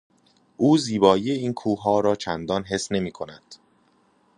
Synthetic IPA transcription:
ʔuːziːbɒːjiːjeiːnkʰuːɦɒːɾɒːt͡ʃʰænd̪ɒːnɦe̞sne̞miːkʰo̞næd̪̥

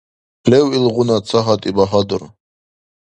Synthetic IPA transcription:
pʰlɛwilʁunat͡sʰaɦat̪ʼibaɦad̪uɾ

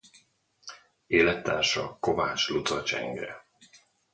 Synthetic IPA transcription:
eːlɛt̪ːaːrʃɒko̞vaːt͡ʃlut̪ɒt͡ʃɛ̰ŋɡɾɛ̰

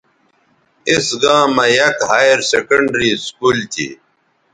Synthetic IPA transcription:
isɡãːmɐjɐkhaːjeɾsekɐɳɖɾiːskuːlt̪ʰḭ

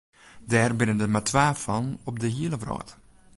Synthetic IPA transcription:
daːrbɪnəndəmatʰʋaːfɑnɔb̚dəɦiələvrɔ̰ːt

